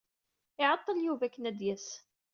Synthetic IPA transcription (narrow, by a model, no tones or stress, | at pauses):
ɪʕɑt̪ˤːəljuvækːnæd̪jæs